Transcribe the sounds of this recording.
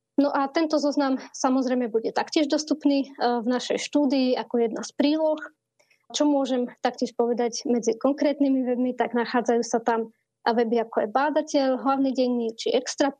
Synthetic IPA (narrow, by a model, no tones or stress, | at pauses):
nɔʔat̪ɛnt̪ɔzɔznamsamɔzɾɛjmɛbuɟɛt̪akcɪɛʒd̪ɔst̪upniːvnaʃɛjʃt̪uːd̪iiakɔjɛd̪naspɾiːlɔx | t͡ʃɔmʊɔʒɛmt̪akcɪɛʃpɔʋɛd̪aɟmɛd͡zikɔŋkɾɛːt̪nimiʋɛbmit̪aɡnaxaːd͡zajuːsat̪am | ʋɛbiakɔjɛbaːd̪acɛʎɦlaʊniɟɛjnit͡ʃiʔɛkst̪ɾa